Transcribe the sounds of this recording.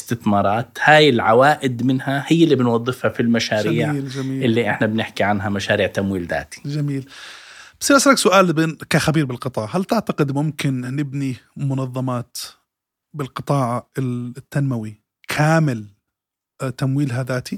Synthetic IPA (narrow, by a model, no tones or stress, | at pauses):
st̪ɪθmɑːɾˤɑːt̪haːjɪlʕawaːʔɪd̪mɪnhahɪjːalːibɪnwɑðˤːɨfhafilmaʃaːɾiːʕːld͡ʒamiːɪlːiʔɪħnabnɪħkiʕanɦamaʃaːɾiːʕt̪amwiːlða̰ːt̪i̥d͡ʒamiːlbḁsɪlaslaksʊʔaːlbkaxabiːɾbɪlqɨt̪ˤɑːʕɦalt̪ɪʕt̪aqɪd̪mʊmkɪnːɪbnimʊnɑðˤːɑmɑːt̪ | bɪlqɨt̪ˤɑːʕɑɪt̪ːanmawi | kʰaːmɪl | t̪amwiːlɦaðaːt̪i